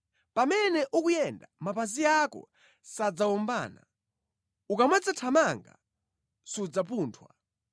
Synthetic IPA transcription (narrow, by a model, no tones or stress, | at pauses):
pamɛnɛʔukujɛndamapazijakɔ̰ | sad͡zawɔmba̰ːna | ukamwad͡zatʰamaŋɡa̰ | sud͡zap̬uːntʰwa̰